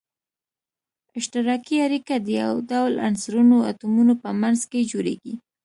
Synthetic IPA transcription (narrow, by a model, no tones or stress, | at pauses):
ɪʃt̪ɪɾɑkiaɾikad̪əja̰wd̪awla̰nsɾunoa̰t̪umunopəmanzked͡ʒoɾḛɡi